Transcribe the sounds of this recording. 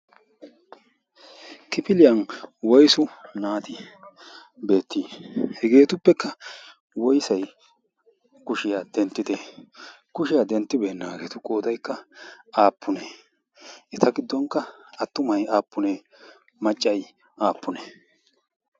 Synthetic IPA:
kɪpɪlɪjɐnwɔjsʊnaːt̪ɪ | be̞ːt̪ːiːhɛɡe̞ːt̪ʊpːɛkːɐ | wɔjsɐj | kʊʃɪjad̪ɛnt̪ːɪd̪e | kʊʃɪjad̪ɛnt̪ːɪbeːnːaːɡe̞ːt̪ʊkʼoːd̪ɐjkːɐaːpːʊne | ʔɛt̪ʰɐɡɪd̪ːɔŋkːɐɐt̪ːʊmɐjaːpːʊne | mɐt͡ʃʼːɐj | aːpːʊne

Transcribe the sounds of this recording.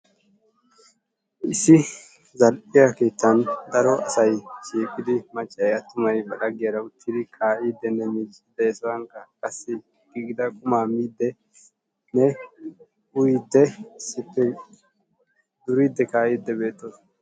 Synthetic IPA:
ʔɪsɪ | zɐlʔʼɪjake̞ːt̪ːɐnd̪ɐɾɔɐsɐjt͡ʃiːkʼɪd̪ɪmɐt͡ʃʼːɐjjɐt̪ːʊmɐjbɐlɐɡɪjɐɾɐʊt̪ʰːɪd̪ɪkʰaːʔiːd̪ːɛnːɛmiːt͡ʃʼːɪd̪ɛjɛsɔwɐŋkːɐkʼɐsːɪ | ɡ̥iɡɪd̪ɐkʼʊmaːmiːd̪ːɛ | nɛ | ʊjɪd̪ːɛɪsɪpːɛ | d̪ʊɾid̪ːɛkaːʔiːd̪ːɛbe̞ːt̪ːos

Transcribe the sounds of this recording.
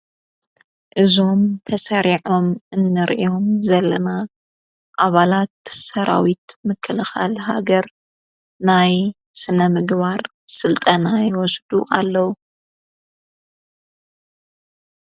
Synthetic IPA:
ʔɨzo̞mt̪ʰɐsɐɾiʕo̞mʔɨnːɨɾʔjo̞mzɐlːɐna | ʔaβalat̪̚sɐɾa̰wit̪mɨkʰːɨlɨxa̰lha̰ɡɐɾ | naj | sɨnɐmɨɡβaɾ | sɨlt̪ʼɐnajɪwɔsd̪uʔalːɐwu

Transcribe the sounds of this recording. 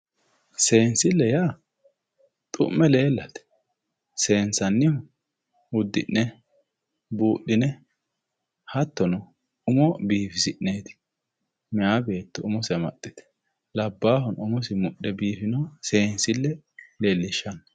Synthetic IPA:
se̞ːnsɪlːɛjaː | t̪ʼʊ̰mːɛle̞ːlːɐt̪ɛ̥ | se̞ːnsɐnːɪ | ʊd̪ːɪʔːɛ | buːɗɪnɛ | hɐt̪ːɔnʊ | ʊmɔbiːfɪsɪʔneːt̪ɪ̥ | mɪjaːbe̞ːt̪ːɔʊmɔsɛmɐ̰t̪ʼːɪ̥t̪ɛ̥ | lɐbːaːhɔnʊmɔsɪmʊɗːɛbiːfɪnɐse̞ːnsɪlːɛ | leːlːɪʃːɐnɐ

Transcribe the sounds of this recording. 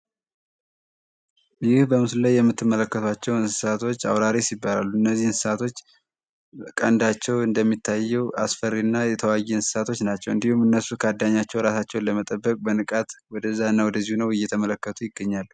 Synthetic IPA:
jɪhbəmɨslulajːɛmːɨt̪ːɨmːələkːət̪ʰwat͡ʃːɛwɨnsɨ̥sat̪ʰo̞t͡ʃːa̰wɾaɾisibːala̰lːuɨnːəzːihɨnsɨ̥sat̪ʰo̞t͡ʃː | kʼənd̪at͡ʃːɛwɨnd̪əmːit̪ʰːajːɛwʔasfəɾːinːajɛt̪ʰəwajːɛɨnsɨ̥sat̪ʰo̞t͡ʃːnat͡ʃːɛwɨ̰nd̪ihumɨnːəsukʰəad̪ːaɲːat͡ʃːɛwɾasat͡ʃːɛwnləmət̪ʼəbːəkʼbənɨkʼat̪wɔd̪əzːaɨnːawɔd̪əzːihunəwɪjːɛt̪ʰəmələkːət̪ʰujɪɡːəɲːalːu

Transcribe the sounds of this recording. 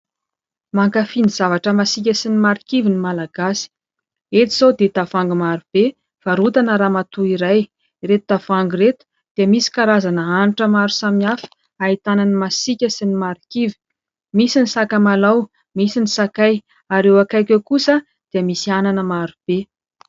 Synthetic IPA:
maŋkafinizavaʈ͡ʂəmasik̬ʲəsinimaɾikivinimalaɡasi̥ | et̪iz̥awd̪ed̪avaŋɡmaɾub̥e | faɾut̪anəɾamat̪uiɾaj | ret̪ud̪̥avaŋɡret̪u̥ | d̪̥eəmisi̥kaɾazanəaniʈ͡ʂəmaɾusaminafi̥ | ait̪ananimasikʲəsinimaɾikivi | misinisakəmalaw | misinisakaj | aɾewakajkʲewkusə | d̪̥iəmisiananəmaɾub̥e

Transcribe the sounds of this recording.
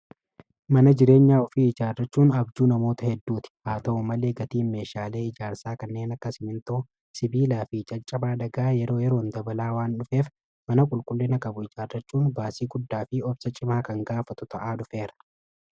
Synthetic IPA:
mɐnɐd͡ʒɪɾe̞ːɲːaːɔfiɪd͡ʒaːrːɐt͡ʃːuːnɐbd͡ʒ̪uːnɐmo̞ːt̪ɐhɛd̪ːuːt̪ɪ̥haːt̪ɐʊmɐle̞ːɡɐt̪iːnme̞ːʃaːle̞ːɪd͡ʒaːɾsaːkɐnːe̞ːnɐkːɐsɪmɪnt̪oː | sɪbiːlaːfɪt͡ʃʼɐt͡ʃʼːɐbaːᶑɐɡaːjɛɾo̞ːjɛɾo̞ːnd̪ɐbɐlaːwaːnᶑʊfe̞ːf | mɐnɐkʼʊlkʼʊlːɪnɐkʼɐbʊɪd͡ʒaːrːɐt͡ʃːuːnbaːsiːɡʊd̪ːaːfɪɔbsɐt͡ʃʼɪmaːkɐŋɡaːfɐt̪ʊ̥t̪ɐʔaːᶑʊfe̞ːɾɐ̥

